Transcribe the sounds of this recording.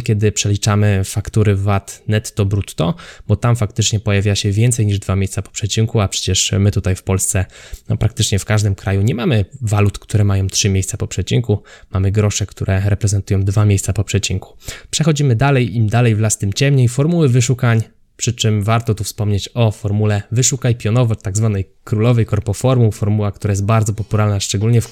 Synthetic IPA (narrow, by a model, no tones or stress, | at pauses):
kʲjɛd̪ɘpʂɛlʲit͡ʂamɘfakt̪uɾɘvat̪nɛt̪ːɔbɾut̪ːɔbɔt̪amfakt̪ɘt͡ʂɲɛpɔjavʲjaɕɛvʲjɛnt̪sɛjɲiʐd̪vamʲejst̪sapɔ̥pʂɛt͡ɕiŋkuapʂɛ̥t͡ɕɛʂmɘt̪ut̪ajfpɔlst̪sɛnɔ̰pɾakt̪ɘt͡ʂɲɛfkaʐd̪ɘmkɾajuɲɛmamɘvalut̪kt̪uɾɛmajɔ̃w̃t̪ʂɘmʲejst̪sapɔpʂɛt͡ɕiŋkumamɘɡɾɔʂɛkt̪ʰuɾʔɛɾɛpɾɛzɛnt̪ujɔ̃w̃d̪vamʲjejst̪sapɔpʂɛt͡ɕiŋku̥pʂɛxɔd͡ʑimɘd̪alɛjimd̪alɛjvlast̪ɘmt͡ɕɛmɲefɔɾmuwɘvɘʂukaɲ | pʂɘt͡ʂɘmvaɾt̪ɔt̪ufspɔmɲet͡ɕɔfɔɾmulɛvɘʂukajpʲjɔnɔvɔt̪ːaɡzvanɛj | kɾulɔvɛjkɔɾpɔfɔɾmufɔɾmuwakt̪uɾajɛst̪baɾd̪zɔpɔpuɾalnaʂt͡ʂɛɡulɲɛf